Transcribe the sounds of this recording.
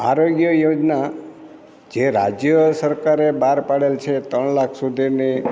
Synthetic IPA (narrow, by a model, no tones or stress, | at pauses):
a̰ɾoɡjəjod͡ʒna | d͡ʒeɾad͡ʒjəsəɾkaɾebaɾpaɽelt͡ʃʰet̪əɳlakʰsud̪ʱini